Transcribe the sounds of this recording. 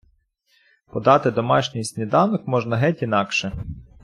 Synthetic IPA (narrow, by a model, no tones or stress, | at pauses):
pɔd̪ɑt̪ɪd̪ɔmɑʃnʲijsʲtʲnʲid̪ɑwnɔkmɔʒnɐɦɛtʲin̪ɑkʃɛ